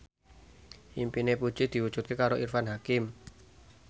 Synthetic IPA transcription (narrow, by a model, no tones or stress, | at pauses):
ʔimpinepu̥ʒ̥id̪̥i̤wud̥ʒ̥ṳt̪̚kekaɾoʔirfanɦakɪm